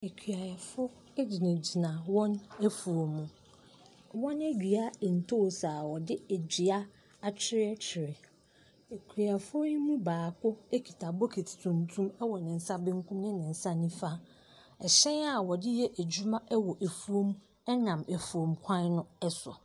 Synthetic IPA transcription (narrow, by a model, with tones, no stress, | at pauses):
e˨kʰɥa˨jɛ˨fʊ˦ | ɛ˦d͡ʑi˨nẽ˨d͡ʑi˨nã˨wɔ̃˦næ˦fu˨o˨mːũ˨ | wɔ̃˦nɛ˦d͡ʑᶣi˨a˦˨n̩˨tʰo˦˨saː˨wɔ˨dɪ˦æ˨d͡ʑi˨a˦ | a˨t͡ɕʰɪ˦ɾɪ˦ɛ˦t͡ɕʰɪ˨ɾɪ˨ | e˨kʰi˨a˨fʊ˦nɪ̃˦mũ˦baː˨kʰʊ˦e˦kʰi˨tʰa˨bɔ˦kʰe˨tʰi̥˨tʰũ˨n˨tʰũ˦mɛ˦wɔ˨nɪ̃˨n̩˨sa˦bɪ̃˦ŋ˦kʰũ˦m˦nɪ̃˦nɪ̃˨n̩˨sa˦nĩ˦fa˦ | ɛ˨ɕɛ̃˦na˨wɔ˨dɪ˦jɛ˦ʔæ˨d͡ʑu˦mã˦ʔɛ˦wɔ˨ʔe˨fu˨o˦m˦ | ɛ˦nã˨me˨fu˨o˨mkʷʰã˦nnʊ̃˦ɛ˦sɔ̰˨